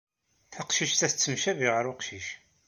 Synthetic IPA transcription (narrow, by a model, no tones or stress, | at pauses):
θəqʃiʃt̪æθt͡sːəmʃæviʁəɾʊqʃiʃ